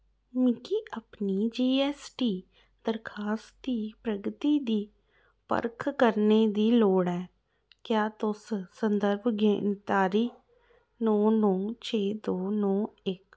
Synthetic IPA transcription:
mɪkiːʔəpniːd͡ʒeːɛːsʈiː | d̪əɾkʰaːst̪iːpɾəɡt̪iːd̪iː | pə̰ɾkʰkəɾneːd̪iːloːɽɛː | kjaːt̪ʊssənd̪əɾbʱɡḛːnt̪aːɾiː | nõːnɔ̃ːt͡ʃʰeːd̪oːnɔ̃ːɪk

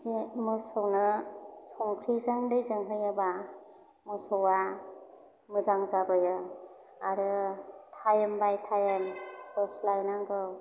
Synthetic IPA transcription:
zemɯsɔwnɯsɔŋkʰɾizaŋdɯjzɯŋɦɯjɯba | mɯsɔwa | mɯzaŋzabɯjɯ | aɾɯtʰajɯmbajtʰajɯnpɯslajnaŋɡɯw

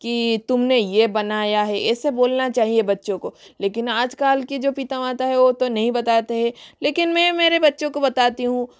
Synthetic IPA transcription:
kit̪ʊmnejebɐnaːjaɦɛʔɛːseboːlnat͡ʃaːɦiebɐtːʃõkoleːkɪnaːd͡ʒkaːlkid͡ʒoːpit̪ãaːt̪aɦɛʋot̪onɐɦĩbɐt̪aːt̪eɦɛ̃leːkɪnmɛ̃meːɾebɐtːʃõkobɐt̪aːt̪iɦũ

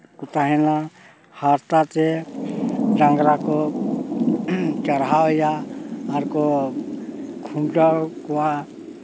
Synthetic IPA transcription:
kut̪aɦɛna | haɾt̪at̪e | ɖãŋɡɾako | t͡ʃəɾɦawjaːɾko | kʰuɳʈakua

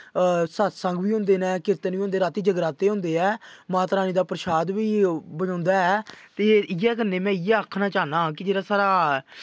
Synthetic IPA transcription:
sət̪səŋɡʋiːɦʊ̃nd̪eːnɛ̃ːkɪɾt̪ənʋiːõnd̪eːɾaːt̪iːd͡ʒəɡɾaːt̪eːɦʊ̃nd̪eːɛːmaːt̪əɾaːniːd̪aːpɾəʃaːd̪ʋiːbəd͡ʒãːnd̪aːɛːt̪eːɪjɛːk̬ənːeːmɛ̃ːɪɛːəkʰnaːt͡ʃaːnaːɦãːkɪd͡ʒeːɾaːsaːɾaː

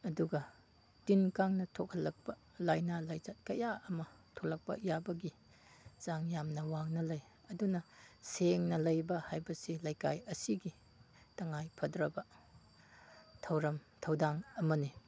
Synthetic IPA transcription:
ɐduɡɐ | tinkaŋnɐtʰokʰɐllːɐk̚pɐ | lajnalajzɐt̚kɐjʔaɐmɐtʰok̚lɐk̚pɐ̰jabɐɡi | z̥aŋjamnɐwaŋnɐlɐj | ɐdunɐseŋnɐlɐjbɐhajbɐsilɐjka̰jɐsiɡi | tɐŋajpʰɐdɾɐbɐ | tʰɐwɾɐm | tʰɐwdaŋɐmɐni

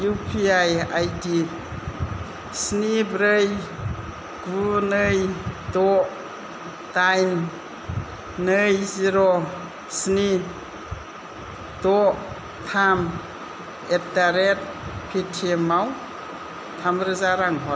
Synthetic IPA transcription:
jupʰiajajdi | snibɾɯj | ɡ̥unɯjdɔʔ | tajn | ɯjziɾɔ | sni | d̥ɔʔ | t̪ʰam | etaɾet̚pʰetʰimaw | t̪ʰamɾɯzaɾaŋɦɔ

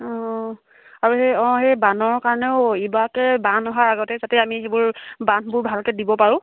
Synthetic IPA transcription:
ɔ̃ | aɹuɦeɔ̃ɦejbanɔɹkaɹɔnɛʊibakɛbanɔɦaɹaɡɔtɛzatɛamixebʊɹbanbʊɹbʱalkɛdibɔpaɹʊ̃

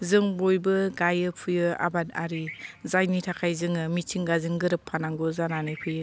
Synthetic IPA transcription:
zɯŋbojbɯɡajɯpʰujɯa̰bada̰ɾizajnitʰakʰajzɯŋɯmit͡ʃʰiŋɡazɯŋɡɯɾɯpʰːanaŋɡɔzananɯpʰɯjɯ

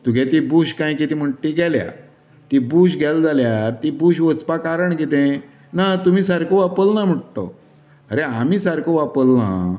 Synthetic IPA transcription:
t̪uɡʱɛ̃t̪ibuɕkãjkit̪im̤əʈːiɡɛlja̰ | t̪ibuɕ̬ɡʱɛld͡zaljaɾt̪ibuɕʋət͡spakaɾəɳkit̪ẽ | nat̪umiːsaɾkoʋapəlnam̤əʈt̪o̰ | əɾeamiːsaɾkoʋapəlnã̰

